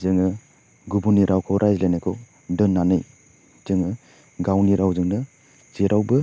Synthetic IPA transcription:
zɯŋɯ | ɡubuniɾʔawkʰɔwɾʔajzlajnajkʰɔ | dɯnːanɯj | z̥ɯŋɯ | ɡawniɾawzɯŋnɯ | z̥iɾʔawbɯ

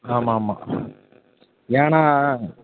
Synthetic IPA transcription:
amːaːmːa̰ | jaːɳa

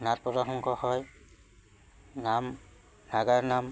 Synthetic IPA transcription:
nat̚pɔtaxɔŋkʰɔhɔj | nam | naɡaɹnam

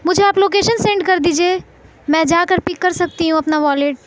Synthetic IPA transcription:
mʊd͡ʒʱeaːploːk̬eːʃənsẽːɳɖkɐɾd̪iːd͡ʒie | mɛ̃d͡ʒakəɾpɪkːəɾsɐk̚t̪iɦũɐpnaʋɔːleʈ̚

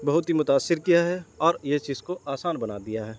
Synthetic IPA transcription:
bɐɦʊt̪ɦimʊt̪aːsːɪɾkijaɦɛɔːɾjet͡ʃiːzkoaːsaːnbɐnaːd̪ijaɦɛː

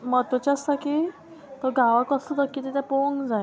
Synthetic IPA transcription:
mət̪ʋət͡ɕast̪aki | t̪ɔɡaʋakəsud̪əkːit̪ɛt̪jɛpoŋɡd͡zaj

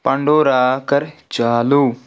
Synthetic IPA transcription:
pɐɳɖoːɾaːkɐɾt͡ʃaːluː

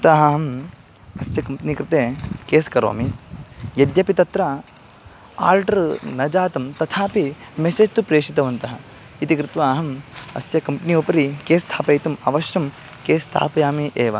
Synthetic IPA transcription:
t̪aːɦɐɦɐm | ɐsjɐkɐmpnikɾɪt̪eːkeːskɐɾo̰ːmijɐd̪jɐpit̪ɐt̪ɾɐ | a̰ːlʈɐɾnɐd͡ʒaːt̪ɐmt̪ɐt̪ʰaːpimeseːd͡ʒt̪upɾeːʂit̪ɐʋɐnt̪ɐɦɐ | it̪ikɾɪt̪ʋaːɦɐmɐ̰sjɐkɐmpniupɐɾikeːst̪ʰaːpɐjt̪umɐʋɐʃjɐm | keːst̪ʰa̰ːpɐjaːmiʔeːʋɐ̰

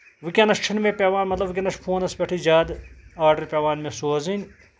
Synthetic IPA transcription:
ʋɨkʲɐnɐʃt͡ʃʰinmẽpʲeːʋaːnmɐt̪lɐbʋɨkʲɐnɐʃpʰoːnɐspʲɐʈʰid͡ʒaːd̪aːɾɖɐɾpʲeːʋaːnmẽsoːɐzinʲ

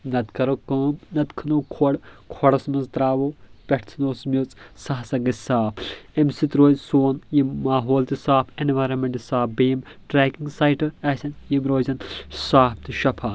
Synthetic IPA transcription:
nɐd̪kɐɾokɐːmnɐt̪kʰɐnokʰoɽkʰɔɽɐsmɐnzt̪ɾaːʋoːpʲeʈʰt͡s̪ʰnoːsmʲot͡sʼsɐɦsɐɡɐsaːpʰemsit̪ɾoːzsoːnjimaːɦoːlt̪isaːpʰenʋaːjɾɐnmeɳʈisaːpbeːm | ʈɾeːkiŋɡsaːjʈɐɐsʲɐnjimɾoːzɐnsaːp̚t̪iʃɐpʰaː

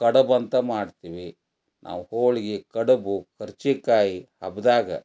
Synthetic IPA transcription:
kɐɽɐbɐnt̪ɐmaːɖt̪iːʋi | nʔa̰ːʋhoːɭiɡekɐɽɐbukʰɐɾt͡ʃikaːjihɐbd̪aːɡɐ

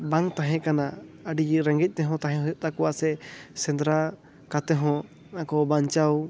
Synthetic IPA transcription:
baŋt̪ãɦɛ̃kanaəɖiɾɛŋɡɛc̚ˀt̪ɛɦɔ̃t̪aɦɛ̃ɦɔjɔʔ̚t̪akɔwasɛsɛ̃nd̪ɾa | kat̪ɛɦɔ̃ | ãkɔbaɲt͡ʃaw

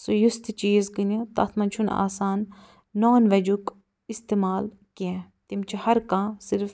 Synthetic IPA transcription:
sujust̪t͡ʃiːzkinit̪ɐ̰t̪ʰmɐnt͡ʃʰuna̰ːsaːnː | oːnʋɐd͡ʒuk | ist̪eːmaːl | kiɛ̃ | t̪imt͡ʃʰihɐɾkãːsɪɾf

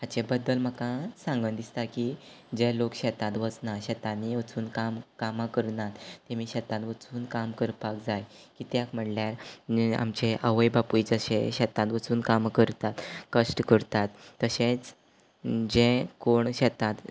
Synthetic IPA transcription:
ɦat͡ɕebəd̪ːəlm̤əkãsãŋɡənd̪ist̪akid͡ʑẽlokɕɛt̪ãt̪ʋət͡snaɕɛt̪ãniʋət͡suːnkamkamakəɾnat̪t̪ːemiːɕɛt̪ãt̪ʋət͡suːnkamkəɾpakd͡zaj | kit̪jakm̤əʈljaɾa̰mt͡ɕeʔəʋəjbapuid͡zəɕḛ̃ɕɛt̪ãt̪ʋət͡suːnkamkəɾt̪at̪kəʂʈkəɾt̪at̪ːəɕẽt͡s | d͡ʑẽkoɳɕɛt̪ãt̪

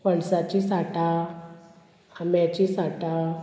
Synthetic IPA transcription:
pəɳsat͡ɕisaʈa | amjat͡ɕisaʈa

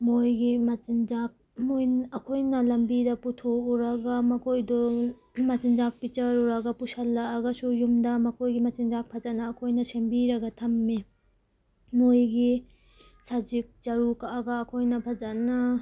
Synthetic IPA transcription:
mojɡimɐt͡ʃind͡ʒak̚mojɐkʰojnɐlɐmbidɐputʰouɾɐɡɐmɐkʰojdɔ | mɐt͡ʃind͡ʒak̚pit͡ʃɐɾuɾɐɡɐpusɐlːɐːɡɐsujumdɐmɐkʰojɡimɐt͡ʃind͡ʒak̚pʰɐzɐnɐːkʰojnɐsembiɾɐɡɐtʰɐmːi | mojɡi | sad͡ʒik̚t͡ʃɐɾukaːɡɐːkʰojnɐpʰɐzanɐ

